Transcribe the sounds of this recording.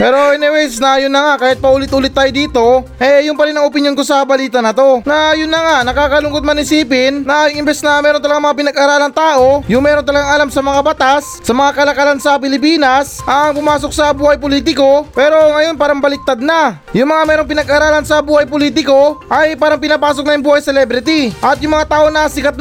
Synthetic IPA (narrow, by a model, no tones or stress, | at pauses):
pɛːɾo̞ɪnɛwɛsnɐjʊnːɐŋakaːhɪt̪̚pɐʔuːlɪt̪ʔuːlɪt̪ːaːjod̪iːt̪o̞ʔɛjʊŋpɐɾɪnɐŋopɪnjo̞nko̞sɐbɐliːt̪ɐnɐt̪o̞nɐjʊnːɐŋaʔnɐkaːkɐlʊŋkot̪mɐnɪsiːp̬ɪnnɐŋɪmbɛsnɐmɛːɾont̪ɐlɐɡaŋmɐŋap̬ɪnɐɡʔaɾaːlɐŋt̪aːʔo̞jʊŋmɛːɾo̞nt̪ɐlɐɡaŋʔɐlamsɐmɐŋabɐt̪asːɐmɐŋakɐlɐkɐlansɐp̬ɪlɪp̬iːnɐsʔɐŋpʊmaːso̞k̚sɐbuːhɐjpoliːt̪ɪko̞pɛːɾo̞ŋɐjo̞npaːɾɐŋbɐlɪk̚t̪ad̪̚nɐ | jʊŋmɐŋamɛːɾo̞ŋpɪnɐɡʔaɾaːlɐnsɐbuːhɐjpoliːt̪̬ɪko̞ʔɐjpaːɾɐŋpɪnapaːsk̚nɐjʊŋbuːhɐjsɛlɛːbɾɪt̪iʔɐt̪jʊŋmɐŋat̪aːʔo̞nɐsɪkat̪̚